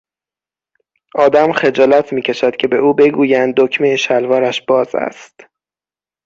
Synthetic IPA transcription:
ʔɒːd̪æmxe̞d͡ʒɒːlæt̪ʰmiːcʰe̞ʃæd̪̥cʲʰe̞be̞uːbe̞ɡuːjænd̪ːocʰmejeʃælvɒːɾæʃb̥ɒːzæ̰st̪

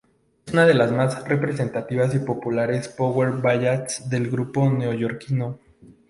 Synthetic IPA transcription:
esunaðe̞lazmazre̞pɾe̞se̞nt̪at̪iβas̬ipo̞pulaɾe̞spoɣwe̞ɾbaʝat̪sd̪e̞lɡɾupo̞neoʝo̞ɾkino

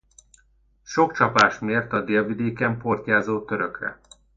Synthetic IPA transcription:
ʃo̞kt͡ʃɒpaːʃmeːrt̪ɒd̪eːlvid̪eːkɛmpo̞rt̪aːzoːt̪ø̞ɾøkrɛ̰

